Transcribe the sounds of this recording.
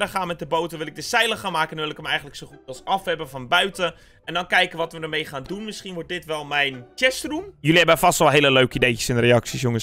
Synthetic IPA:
dəχaːnmɛt̚dəbowtəʋɪlˠɪk̚dəsɛjlˠəχaːnmaːkəndɔnʋɪlɪkəmɛjɣən̩dləksoxutɔlˠsɑfɛbəfɔnbœɥtə | ɛndɔnkɛjkəʋɔtʋədəmejχaːndunmɪsχinʋʊrt̚dɪtʋɛlˠmɛjnt͡ʃɛstrumjyliɦɛbəfɔstɔlˠɦeːləløɥkəidejəsɪnreɑksisjʊŋəs

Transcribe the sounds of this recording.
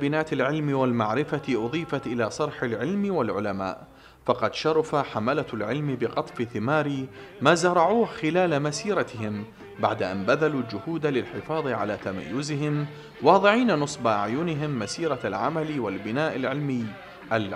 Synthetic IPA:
bɪnaːʔɪlʕɪlmiwalmaʕɾɪfaʔʊðˤiːfat̪ʔɪlaːsˤɑɾˤħɪlʕɪlmwalʕʊlama̰ːʔ | fɑqɑd̪ʃɑɾˤɑfaħamalalʕɪlmbɪqɑt̪ˤfɪθɪmaːɾi | maːzɑɾˤɑʕuːhxɪlaːlamasiːɾˤɑt̪ɪɦɪm | ba̰ʕd̪aʔa̰nbaðaluːld͡ʒʊhuːd̪alɪlħɪfɑːðˤiʕa̰laːt̪ama̰jːʊzɪɦɪm | wɑːðˤɨʕiːnanɨsˤbaʔaʕjʊːnɪɦɪmːasiːɾɑlʕa̰malwalbɪnaːʔɪlʕɪlmɪː | ʔal

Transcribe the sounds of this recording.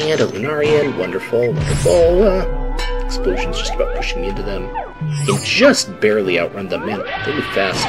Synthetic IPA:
æ̃nəlˠɨnɑɹiɨ̃nwʌ̃ndə˞fl̩ˠwʌ̃ndə˞fl̩ˠʌɨksploʊʒɨ̃n̩z̥d͡ʒʌstəb̥aʊt̚pʰʊʃɪ̃ŋɪ̃ntʉðɨ̃m | ɨ̥d͡ʒʌst̚b̥ɛɹlˠiaʊʔɹʌ̃nðəmæ̃nɹɪɹlˠifæs

